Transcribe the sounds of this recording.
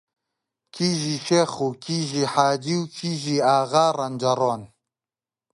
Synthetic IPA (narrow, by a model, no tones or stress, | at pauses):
kʰiʒiʃeχukʰiʒiːħaːd͡ʒiwkʰiʒiːaːɣaːrɐnd͡ʒɐɾon